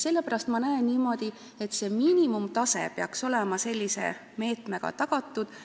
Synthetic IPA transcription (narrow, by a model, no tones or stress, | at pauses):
se̞lːepæɾɑst̪mɑnæenniːmo̞ːd̪̥i | e̞t̪ːˑse̞miːnʲimumt̪ɑse̞̰peɑkso̞lemɑse̞lʲːise̞̰ | me̞ːt̪me̞ɡ̥ɑ̰t̪ɑɡ̥ɑt̪ːˑud̪̥